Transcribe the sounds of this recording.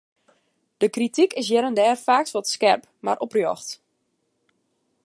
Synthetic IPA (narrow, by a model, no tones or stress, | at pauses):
d̥əkritikɪs̬jɛɾəndɛːrfaːksʋɔtskɛrp | ma̰ɾʔɔprjɔ̰xt